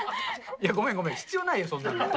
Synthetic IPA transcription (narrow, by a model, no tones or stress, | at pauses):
jaɡo̞mẽŋɡo̞mẽçi̥t͡sɨjo̞ːnaijosonːã̰n